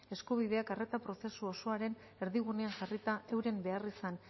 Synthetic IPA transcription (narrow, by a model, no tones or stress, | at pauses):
e̞skuβ̞ið̞e̞akare̞t̪apɾo̞se̞suo̞so̞aɾe̞n | e̞ɾðiɣune̞aŋʝarit̪aewɾe̞mbe̞arisan